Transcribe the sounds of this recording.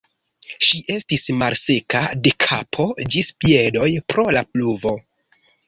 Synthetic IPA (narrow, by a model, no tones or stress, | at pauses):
ʃiʔe̞stismalse̞kade̞kʰapʰo̞d͡ʒispie̞do̞jpɾo̞lapluvo̞